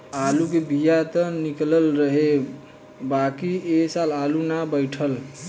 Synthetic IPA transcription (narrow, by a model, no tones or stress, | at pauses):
alukebijat̪ənikləlɾəɦe | bakiesalalunabəjʈʰəl